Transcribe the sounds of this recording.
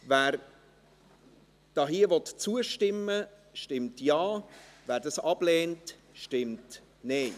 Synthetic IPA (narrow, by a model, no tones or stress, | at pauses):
væːɾ | d̥ɑɦiəvɔtt͡suəʃtɪmːə | ʃtɪmtjɑːvæːɾdɑsɑb̥lɛːnt | ʃtɪmt | neː